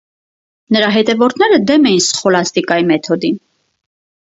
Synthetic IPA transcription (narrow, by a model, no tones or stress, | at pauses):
nəɾɑɦɛt̪ɛvɔɾt̪ʰnɛɾəd̪ɛmɛjinsχɔlɑst̪ikɑjimɛt̪ʰɔd̪in